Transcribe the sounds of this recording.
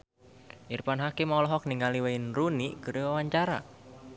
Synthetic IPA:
ʔirpanɦakimawlɔɦɔk̚niŋaliweinruniɡəɾəwawaɲt͡ʃaɾa̰

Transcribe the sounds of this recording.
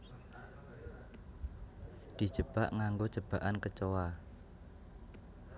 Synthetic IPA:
d̪̥i̤̥d͡ʒ̥ə̤b̥aʔŋaŋɡod͡ʒ̥əb̥ä̤ʔankət͡ʃowa

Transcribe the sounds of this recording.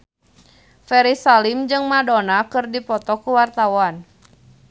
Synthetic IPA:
fɛɾisalimd͡ʒɨŋmadɔnakɨrdipɔt̪ɔkuwart̪awan

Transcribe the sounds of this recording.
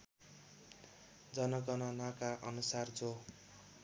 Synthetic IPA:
d͡zʌnʌɡʌnʌnakaʔʌnusard͡zo

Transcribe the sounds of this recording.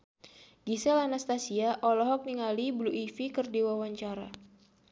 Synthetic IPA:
ɡ̥isɛlanast̪asiaʔɔlɔɦɔk̚niŋalibluʔifikɨrdiwawaɲt͡ʃaɾa̰

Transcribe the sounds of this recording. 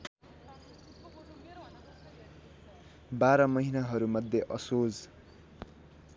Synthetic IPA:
baɾʌmʌɦinaɦʌɾumʌd̪ʱjeʔʌsod͡z

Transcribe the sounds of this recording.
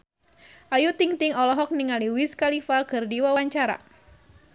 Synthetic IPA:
ʔajut̪iŋt̪iŋɔlɔɦɔk̚niŋaliwiskalifakɨrdiwawaɲt͡ʃaɾa̰

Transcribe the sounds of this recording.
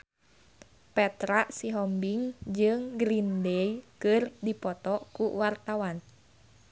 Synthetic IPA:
pɛt̪ɾaʔsiɦɔmbiŋd͡ʒɨŋɡɾindɛikɨrdipɔt̪ɔkuwart̪awan

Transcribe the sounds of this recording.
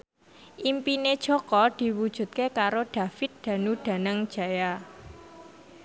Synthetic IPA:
ʔimpined̥ʒ̥ɔkɔd̪̥i̤wud̥ʒ̥ṳt̪̚kekaɾoɖ̥ä̤fɪt̪̚d̪̥ä̤nuɖ̪̥ä̤nəŋd̥ʒ̥a̤ja

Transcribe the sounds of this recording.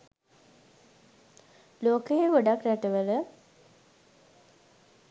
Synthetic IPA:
loːkəjeʋoɖakɾæʈəʋələ

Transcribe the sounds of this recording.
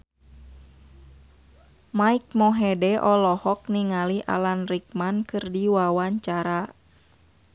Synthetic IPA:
maik̚mɔɦɛdɛʔɔlɔhɔk̚niŋaliʔa̰lanrik̚mankɨrdiwawaɲt͡ʃaɾa

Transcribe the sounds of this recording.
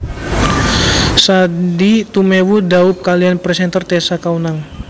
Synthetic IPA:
sadit̪umewudaup̚kalianpɾɛsɛnt̪ərt̪ɛsakaunaŋ

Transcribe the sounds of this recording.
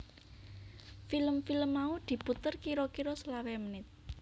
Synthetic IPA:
filəmfiləmːaud̪̥i̤put̪ərkiɾɔkiɾɔslawɛmənɪt̪̚

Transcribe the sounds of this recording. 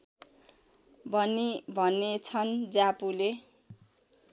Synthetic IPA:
bʱʌnibʱʌnet͡sʰʌnd͡zapule

